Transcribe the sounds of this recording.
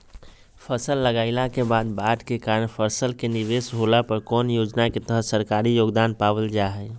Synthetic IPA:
pʰəsəlːəɡaːɪlakebaːd̪̚baːʈkekaːɾənpʰəɾsəlkeniʋesɦolapəɾkɔːnjoːd͡ʒnaket̪əɦəsəɾkaːɾijoːɡd̪aːnpaːʋəld͡ʒaɦɛ

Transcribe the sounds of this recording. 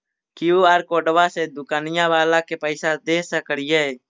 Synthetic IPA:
kɪuːaːɾkoːɖəʋaːseːd̪ʊkaːnɪjãːʋaːlãːkeːpəɪsad̪eːsakəɽɪje

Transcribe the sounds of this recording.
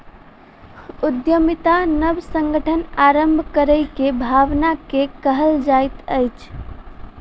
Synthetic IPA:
ud̪jəmit̪anəbsəŋɡəʈʰənaɾəmbʱkəɾəjkebʱaʋnakekəɦəld͡ʒajt̪əjt͡ʃʰ

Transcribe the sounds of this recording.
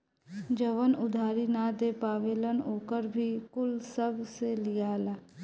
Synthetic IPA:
d͡ʒəʋənʊd̪ʱaːɾinad̪epaːʋeːlənoːkəɾbʱikʊlsəbselijaːlaː

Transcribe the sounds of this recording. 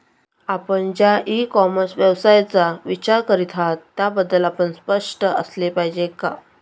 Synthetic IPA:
apəɳd͡ʑjaʔikɔməsʋjəʋsajt͡saʋit͡ɕaɾkəɾit̪ʰat̪ːjabəd̪ːəlapəɳspəʂʈəə̰slepaɦid͡ʑeka

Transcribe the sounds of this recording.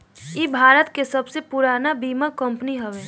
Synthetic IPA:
ibʱaːɾət̪kesəbsepʊɾaːnabiːmakə̃mpniɦəʋeː

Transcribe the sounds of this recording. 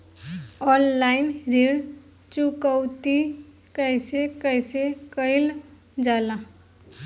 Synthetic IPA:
ɔlːajnɾeɽ | t͡ʃukəwt̪i | kəjsekəjsekəjl | d͡ʒala

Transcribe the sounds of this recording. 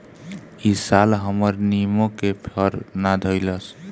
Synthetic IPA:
isalɦʌmʌɾnimokepʰʌɾnad̪ʱʌjlʌs

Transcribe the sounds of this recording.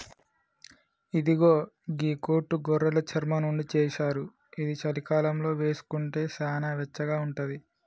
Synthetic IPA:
id̪iɡoː | ɡiːkoːʈːuɡɔɾːɐlɐt͡ʃʰɐɾmɐnuɳɖit͡ʃɛːʃaːɾu | id̪it͡ʃɐlikaːlɐmlo̞ːʋe̞ːsu̥kuɳʈe̞ːʃaːnaːʋɛt͡ʃːɐɡaːuɳʈud̪i

